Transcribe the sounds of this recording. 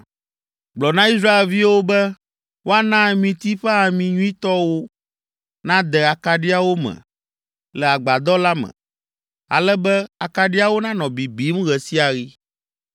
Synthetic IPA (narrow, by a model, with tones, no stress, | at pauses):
ɡ͡blɔ˨nã˦i˦s̬ɾa˦e˨lvi˦wo˦bɛ˦ | wo˦a˦nã˦mĩ˨t̪i˦ɸɛ˦a˨mĩ˨ɲũ˦ĩ˦t̪ɔ˦wo˦ | nã˦d̪ɛ˨a˨ka˨ɖi˦a˦wo˦mɛ̰̃˨ | lɛ˨a˨ɡ͡ba˨d̪ɔ˦la˦mɛ̰̃˨ | a̰˨lɛ˦bɛ˦a˨ka˨ɖi˦a˦wo˦nã˦nɔ̃˨bi˨bi˦m˦ɣɛ˨si˦a˨ɣi˦